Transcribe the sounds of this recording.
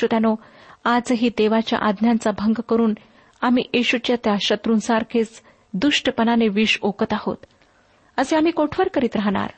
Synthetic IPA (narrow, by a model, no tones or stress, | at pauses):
ut̪janoad͡zɦiːd̪eʋat͡ɕja̰ʔad̪njant͡sabʱəŋɡkəɾuːn | am̤iːʔeɕut͡ɕjat̪jaɕət̪ɾuːnsaɾkʰet͡s | d̪uʂʈəpənaneʋiːʂokət̪aho̰t̪ | əseam̤iːkoʈʰʋəɾkəɾiːt̪ɾaɦɽa̰ɾ